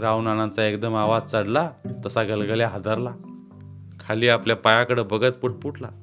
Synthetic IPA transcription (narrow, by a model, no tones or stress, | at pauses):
ɾaunanãnt͡saekd̪əmaʋad͡zt͡səɽlat̪əsaɡəlɡəljaɦad̪əɾla | kʰaliːapljapajãkəɽəbəɡət̪pəʈ̚puʈla̰